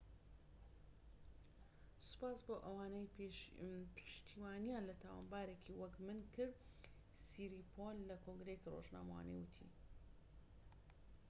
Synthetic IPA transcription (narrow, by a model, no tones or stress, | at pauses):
sʊ̥paːsboːʔɐwaːnej | pʰɨ̥ʃt̪ʰiwaːnijanlɐt̪ʰawa̰ːnbaːɾekʰiwɐkmɨnkʰɨɾ | siɾipʰonlɐkʰoŋɡɾejekiro̰ʒna̰ːmɐwa̰ːnḛjwɨt̪ʰḭ